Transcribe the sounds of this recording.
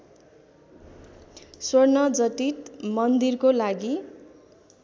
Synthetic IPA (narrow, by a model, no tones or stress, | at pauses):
swʌrnʌd͡zʌt̪it̪mʌnd̪irkolaɡi